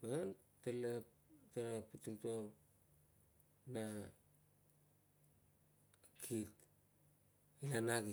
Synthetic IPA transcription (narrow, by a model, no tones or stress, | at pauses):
man | telep | teɾaputumto | na | kʰit | ianaki